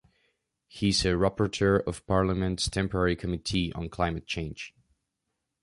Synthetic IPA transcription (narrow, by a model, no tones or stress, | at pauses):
hizɨɹapəɹtʰɜ˞ʌv̥pʰɑɹləmɨ̃ntstʰɛ̃mpə˞ɛɹikʰəmɪtʰiʔə̰̃nkʰl̥ãɪ̃mɨt̚t͡ʃʰẽɪ̃nd͡ʒ̥